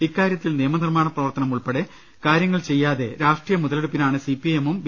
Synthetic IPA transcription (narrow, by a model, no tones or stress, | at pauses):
ikːaːɾjɐt̪ːilneːmɐnirmaːɳɐprɐʋɐrt̪ɐnɐmuɭpeɽe | kaːɾjɐŋːɐɭt͡ɕe̞jːaːðe̞̰ɾaːʂʈrijɐmuðɐleɽupːinaːɳɨsipːiemumb